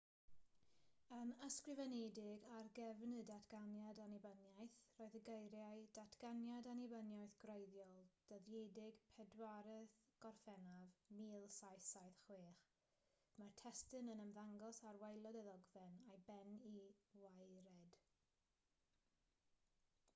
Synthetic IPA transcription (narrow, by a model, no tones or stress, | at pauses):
ənəskrɨvɛnedɪɡarɡɛvnɨdatʰɡ̥anjadanibənjajθroːɨðəɡejɾjajd̥atʰɡ̥anjadanibənjajθɡ̥rejðjɔlˠd̥əðjedɪɡpʰɛdwaɾəðɡ̥ɔrfɛnavmiːlˠsajθajθχweːχ | martʰɛstɨnənəmðaŋɡɔsarwejlˠɔdɛðɔɡvɛnajbɛniwajɾɛd̥